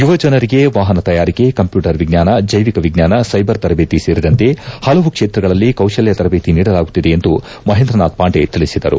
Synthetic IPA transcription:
juʋɐd͡ʒɐnɐɾiɡe̞ʋaːɦɐnɐt̪ɐjaːɾike̞kɐmpjuːʈɐɾʋiɡnaːnɐd͡ʒɐjʋikɐʋiɡɲaːnɐsɐjbɐɾt̪ɐɾɐbeːt̪iseːɾid̪ɐnt̪e̞hɐlɐʋukʂeːt̪ɾɐɡɐɭɐlːikɐwʃɐljɐt̪ɐɾɐbeːt̪iniːɽɐlaːɡut̪ːid̪e̞ːnd̪u | mɐɦend̪ɾɐnaːd̪̚paːɳɖet̪iɭisid̪ɐɾṵ

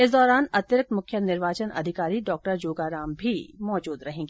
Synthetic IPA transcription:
ɪs̬d̪ɔːɾaːnɐt̪ɾkmʊkʰjənɪɾʋaːt͡ʃənʔɐ̰d̪ʱɪkaːɾiɖɔːk̚ʈəɾd͡ʒoːɡaːɾãːmbʱimɔːd͡ʒuːd̪ɾɐɦẽːɡiː

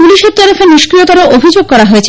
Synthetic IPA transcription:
uliʃeɾt̪ɔɾofeniʃkɾijot̪aɾoʔobʱid͡ʑoɡ̚kɔɾaɦoet͡ɕʰ

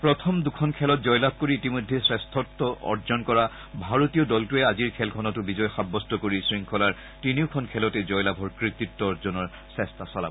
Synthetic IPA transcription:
pɹɔt̪ʰɔmdukʰɔnkʰɛlɔt̚zɔjlab̚ʱkoɹiːtimɔjdʱːesɹɛstʰɔtːɔʔɔ̰ɹzɔnkɔɹa | bʱaɹotiɔdɔltuɛaziɹkʰɛlkʰɔnɔtʊbizɔjxabːɔstɔkoɹisɹiŋkʰɔlaɹ | tiniʊkʰɔnkʰɛlɔtɛzɔjlabʱɔɹkɹit̪ːitːɔɔɹzɔnɔɹ | sɛstasɔla̰

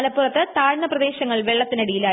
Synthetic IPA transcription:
lɐpːurɐt̪ːɨt̪aːɻnːɐprɐðe̞ːɕɐŋːɐɭʋeɭːɐt̪ːinɐɽijilaː

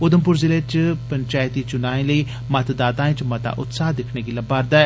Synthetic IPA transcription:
ʊd̪əmp̬ʊɾzɪlet͡ʃpəɲt͡ʃaːjt̪iːt͡ʃʊnaːẽːləiː | mət̪d̪aːt̪ãːt͡ʃmət̪a̰ːʔʊ̰t̪saːd̪ɪkʰneːɡiləbaːɾd̪aɛ

